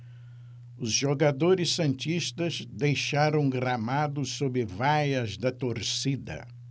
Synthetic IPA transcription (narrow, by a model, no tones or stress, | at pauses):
ʊzʒoɡad̪oɾɪsːɐ̃nt͡ʃiʃt̪ɐzd̪ejʃaɾɐ̃w̃ɡɾamad̪ʊsobɪvajɐzd̪ɐt̪oɾsid̪ɐ̰